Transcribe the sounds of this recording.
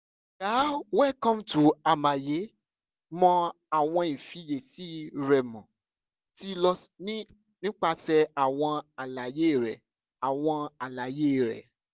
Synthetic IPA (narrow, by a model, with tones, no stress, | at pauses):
ɡa˨˦wɛ˦kɔ̃˦mtu˨a˨mã˨je˨˦ | mɔ̃˧ | a˨w̃ɔ̃˧i˨fi˨˦je˨si˦ɾɛ˨mɔ̃˨ | ti˦lɔ˧nĩ˦ | nĩ˦k͡pa˧sɛ˧a˨w̃ɔ̃˧a˨la˨je˦˨ɾɛ˨ | a˨w̃ɔ̃˧a˨la˨je˦˨ɾɛ̰˨